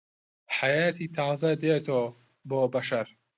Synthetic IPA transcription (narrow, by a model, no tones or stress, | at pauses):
ħajaːt̪ʰit̪ʰaːzɐd̪eːt̪ʰoː | boːbɐʃɐɾ